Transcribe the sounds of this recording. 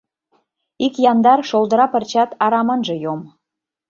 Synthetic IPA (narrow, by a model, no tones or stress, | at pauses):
ikjɑnd̪ɑrʃolˠd̪ə̆ɾɑpə̆rt͡ɕɑt̪ɑɾɑmənʒə̆jom